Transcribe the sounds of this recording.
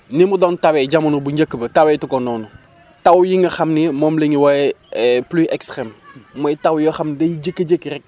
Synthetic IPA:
nimudɔntɐwɛɟɐmɐnubuɲɟəkːbɐtɐwɛtukɔnɔːnu | tɐwjiŋɡɐxɐmnimɔːmleŋiwajɛɛpliʔɛkstɾɛmmɔjtɐwjɔxɐmndɐjid͡ʒəkːɐd͡ʒəkːɾɛk̚

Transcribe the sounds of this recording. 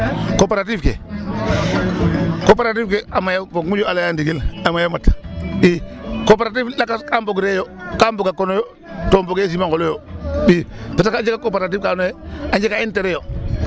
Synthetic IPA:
kopeɾatifkḛ | kop̬eɾat̬ifkeʔamajavokmud͡ʒoalajandiɡilamajamatbikop̬eɾat̬iflakaskamboɡɾejokamboɡakonojo | tomboɡes̬imaŋkolojobiːpesakaɲd͡ʒekakopeɾat̬ifkaːnoeaɲd͡ʒekainteɾejo

